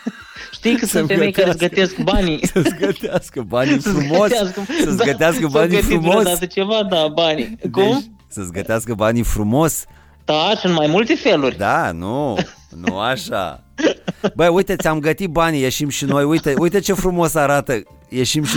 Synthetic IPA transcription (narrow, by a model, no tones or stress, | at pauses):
ʃt̪ijkəsunfeejkaɾesɡəteskbanisəsɡət̪easkəbanifɾumo̞saskəsəsɡət̪easkəbanifɾumosd̪at̪ət͡ʃevad̪abanidkum | səsɡət̪easkəbanifɾumo̞s | t̪asunt̪majmult̪e̞felurʲd̪anunṵaʃa̰ | bəujt̪ət̪sʲamɡət̪ibanijeʃimʃino̞jujt̪əujt̪ət͡ʃe̞fɾumo̞saɾat̪ə | je̞ʃimʃi